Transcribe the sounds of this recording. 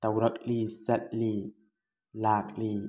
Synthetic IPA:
t̪awɾak̚liːsat̪̚liː | laːk̚liː

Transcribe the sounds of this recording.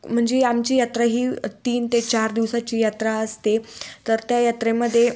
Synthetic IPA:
m̤əɳd͡zeamt͡ɕiːjat̪ɾaɦiːt̪iːnt̪et͡ɕaɾd̪iʋsat͡ɕiːjat̪ɾaəst̪et̪əɾt̪jajat̪ɾẽməd̪ʱːje

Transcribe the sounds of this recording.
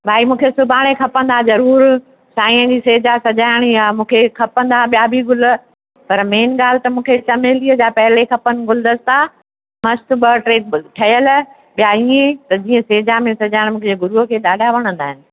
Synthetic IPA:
bʱaːimũːkʰesʊbʱaːɽ̃ekʰɐpə̃nd̪azɐɾuːɾ | saːĩːə̃d͡ʑiseːd͡ʑasɐd͡ʑaːɪɽ̃iaːmũːkʰekʰɐpə̃n̆d̪aɓijabʱiɡʊl̆ | pɐɾmeːnɡaːl̤ɪt̪ɐmũːkʰet͡ɕɐmeːliəd͡ʑaːpɐɦɪlekʰɐpənɪ̆ɡʊld̪əst̪a | mɐst̪bɐʈɾeːk̚ʈʰɐɦəl | ɓijaiːẽt̪ɐd͡ʑiːə̃seːd͡ʑamẽsɐd͡ʑaːɪɽ̃mũːkʰed͡ʑeːɡʊɾuɦəkʰeːɗaːɖʱaʋɐɽ̃ə̃nd̪aːɦɪnɪ̆

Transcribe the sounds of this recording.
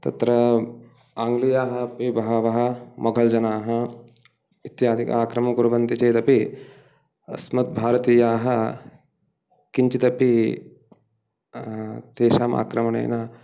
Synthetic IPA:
t̪ɐ̰t̪ɾɐ | aːŋɡlijaːɦɐpibɐɦɐʋɐɦɐ̆mɐɡʱɐld͡ʒɐnaːɦɐ | it̪jaːd̪ʱikɐaːkɾɐmɐkuɾɐʋɐnt̪it͡ʃeːt̪ɐpi | ɐ̰smɐt̪̚bʱaːɾɐt̪iːjaːɦɐ | kiɲt͡ʃit̪ɐpi | t̪eːʃaːma̰ːkɾɐmɐɳḛːnɐ

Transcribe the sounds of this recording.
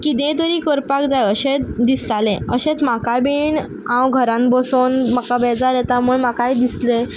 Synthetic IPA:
kid̪ẽd̪əɾĩːkəɾpakd͡zajəɕẽtd̪islalẽəɕẽt͡smakabiːɳ | ãwɡʱəɾãnbəsonmakabɛd͡zaɾjɛt̪amuːɳmakajd̪isle

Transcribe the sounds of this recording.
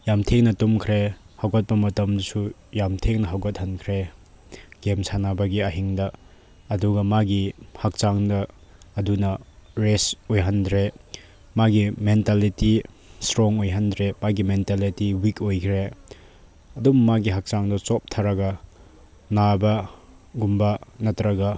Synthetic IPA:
jamtʰeŋnɐtumkʰɾehawɡɐt̚pɐmɐtɐmdusu | jamtʰeŋnɐɦawɡɐt̚hɐnkʰɾe | ɡ̥emsʰanabɐɡiɐɦiŋdɐː | duɡɐmaɡihak̚t͡ʃaŋdɐː | dunɐɾesojɦɐndɾe | maɡimentaliti | stɾoŋojɦɐndɾemaɡimentalitiwikojkʰɾe | ɐdummaɡiɦak̚t͡ʃaŋdɐt͡ʃɔp̚tʰaɾɐɡɐ | nabɐ | ɡumbanɐtɾɐɡɐ

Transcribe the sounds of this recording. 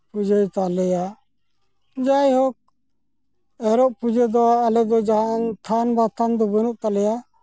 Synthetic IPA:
pud͡ʒejt̪alɛja | d͡ʒajhɔk̚ | ɛɾɔʔpud͡ʒɛd̪ɔalɛd̪ɔd͡ʒaɦant̪ʰanbat̪ʰand̪ɔbənuʔt̪alɛja

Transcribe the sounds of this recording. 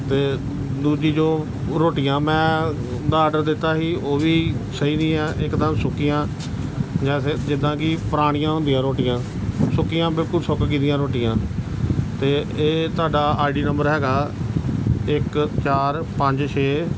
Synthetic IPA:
t̪eː | d̪uːd͡ʒiːd͡ʒoː | ɾoːʈɪjãːmɛ̃ː | d̪aːɖəɾd̪ɪt̪ːaːɦiːoːʋiːsəiːnĩːɛ̃ːʔɪkd̪əmsʊkːɪjãː | d͡ʒɛːsed͡ʒɪd̪ãːkiːpəɾaːɽ̃ɪjãːɦʊ̃nd̪ijãːɾoːʈɪjãː | sʊkːɪjãːbɪlkʊlsʊkkiːd̪ɪjãːɾoːʈɪjãː | t̪eːeːt̪ʊaːɖaːaːɪɖiːnəmbəɾɦɛːɡaː | ɪkt͡ʃaːɾ | pə̃ɲd͡ʒt͡ʃʰeː

